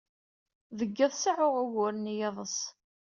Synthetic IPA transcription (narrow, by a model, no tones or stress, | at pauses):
ðəɡːəðˤsəʕʊʁəɣʊɾnijeðˤəs